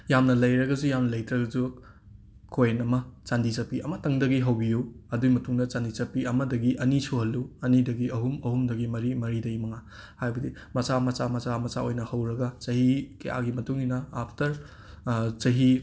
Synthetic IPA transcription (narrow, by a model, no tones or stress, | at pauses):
jamnɐlɐjɾɐɡɐzujamnɐlɐjtɾɐɡɐzu | kʰojnɐmɐt͡ʃandizɐpiɐmɐtɐŋdɐɡiɦɐwbijuɐduɡimɐtuŋnɐt͡ʃandizɐpiɐmɐdɐɡiʔɐnisoɦɐlːuɐnidɐɡiɐɦumɐhumdɐɡimɐɾimɐɾidɐimɐŋa | hajbɐdi | mɐsamɐt͡ʃamɐsamɐsaojnɐhɐwɾɐɡɐt͡ʃɐhikḛja̰ɡimɐtuŋinɐapʰtɐɾ | t͡ʃɐɦi